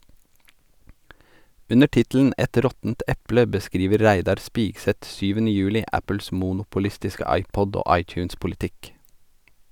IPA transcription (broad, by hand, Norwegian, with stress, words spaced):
ˈʉnə ˈʈɪtl̩n̩ ˈɛt ˈɾɔtn̩t ˈɛplə bəˈskɾiːʋəɾ ˈɾæɪdɑɾ ˈspɪksɛt ˈsyːʋənə ˈjʉːlɪ ˈæpəls ˈmuːnʊpʊˌlɪstɪskə ˈɑɪˌpɔd ˈoː ˈɑɪˌc͡çʉːnspʊlɪˌtɪk